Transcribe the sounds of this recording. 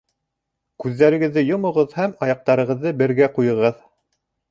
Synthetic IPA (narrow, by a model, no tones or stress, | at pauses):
kʉðːæɾɘ̆ɡɘ̆ðːɘjŏmŏʁɤðhæmɑjɑq̚t̪ɑɾɤ̆ʁɤ̆ðːɤbɘ̆ɾɡæqujɤ̆ʁɤð